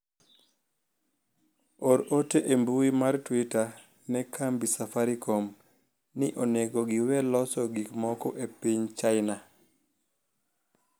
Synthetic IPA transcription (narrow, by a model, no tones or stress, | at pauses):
oɾoteʔembuimartwita | nɛkʰambisafaɾikom | nɪʔoneɡoɡɪwɛlɔsɔɡikmɔkɔʔepiɲt͡ʃaɪna